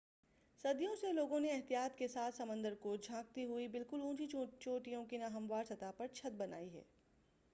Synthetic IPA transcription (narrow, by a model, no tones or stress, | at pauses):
sɐd̪jõseloːɡõneɛɦt̪ijaːt̪kesaːt̪ʰsɐmə̃nd̪əɾkod͡ʒʱãːk̚t̪iɦuibɪlkʊlũːt͡ʃit͡ʃoːʈijõkinaɦɐ̃mʋaːɾsɐt̪apɐɾt͡ʃʰɐd̪̚bɐna̰ːiɦɛ̰ː